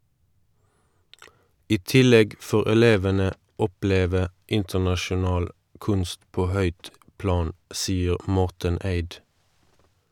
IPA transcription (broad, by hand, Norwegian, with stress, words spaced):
ˈiː ˈtɪˌlɛɡ ˈfoːʁ ɛˈleːʋənə ˈɔˌpleːʋə ˈɪntəʁnɑʃʊˌnɑːl ˈkʉnst ˈpoː ˈhœʏt ˈplɑːn ˈsiːəʁ ˈmɔʁtən ˈæɪd